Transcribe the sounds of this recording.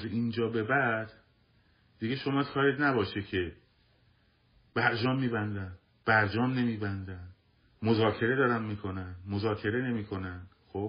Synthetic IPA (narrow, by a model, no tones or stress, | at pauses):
zeind͡ʒɒːbe̞bæd̪ | d̪iɡeʃo̞mɒːkʰɒːɾed̪næbɒːʃecʰe̞ | b̥æɾd͡ʒɒːmːiːbænd̪æn | b̥æɾd͡ʒɒːmne̞miːbænd̪æn | mozɒːcʰe̞ɾe̞d̪ɒːɾænmiːkʰo̞nænmozɒːcʰe̞ɾe̞ne̞miːkʰo̞nænd̪̥xoːb